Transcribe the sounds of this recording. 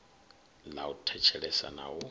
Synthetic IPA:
lautʰɛt͡ʃʰɛɺɛsa̰nawɔ

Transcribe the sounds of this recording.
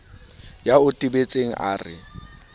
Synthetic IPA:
jaʊtʼibet͡sʼeŋ̩ʔa̰ːrɪ̰

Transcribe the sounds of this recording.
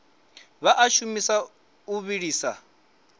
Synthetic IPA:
βaʔaʃumisa | uβiɺiːsa

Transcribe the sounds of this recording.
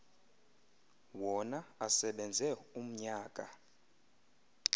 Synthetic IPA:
wɔnaasɛɓɛnd͡zʱɛum̩ɲaːk̬ʼa

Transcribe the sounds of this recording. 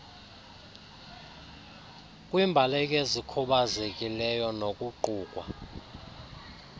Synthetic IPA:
kʼwimbʱalɛk̬ʼezikʰuɓazekʼilɛjɔnokʼuǃuːkʼwa̰

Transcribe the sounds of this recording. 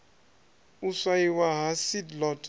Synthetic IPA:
usaiwaɦasidlɔt

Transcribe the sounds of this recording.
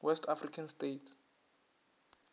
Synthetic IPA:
wɛstʰafrikʰanstetʰ

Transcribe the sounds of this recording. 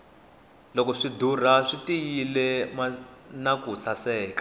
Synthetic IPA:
lɔkɔʂidur̤aʂitijilɛmanakusasɛːkḁ

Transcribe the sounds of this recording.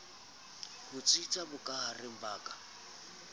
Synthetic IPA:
hʊt͡sʼit͡sʼabʊkʼaɦarɪm̩baːkʼa

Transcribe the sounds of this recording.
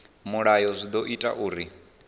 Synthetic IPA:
muɺajɔzʷid̪ɔʔitʼa̰ʔuːɾi

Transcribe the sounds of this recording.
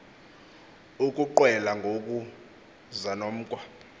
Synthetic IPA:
ukʼuǃwɛlaŋʱok̬ʼu | zanom̩ːkʼwa

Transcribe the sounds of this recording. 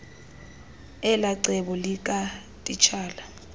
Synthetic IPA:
ɛlaǀɛɓɔlik̬ʼa | tʼit͡ʃʰaːla

